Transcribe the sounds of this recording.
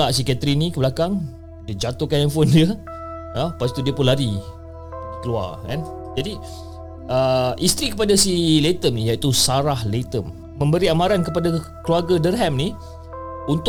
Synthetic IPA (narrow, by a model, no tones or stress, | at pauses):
aʔs̬ikat̪ɾinikəbəlakaŋ | diəd͡ʒat̪ʊkanɛmfondiə | əpast̪udiəpunlaɾi | ikəlua̰rkɛ̰n | d͡ʒadi | əʔist̪ɾikəpadasilet̪əmnijait̪usaɾahlet̪əm | mə̃mbəɾiamãɾankəpada | kəluarɡadərɦɛmni | unt̪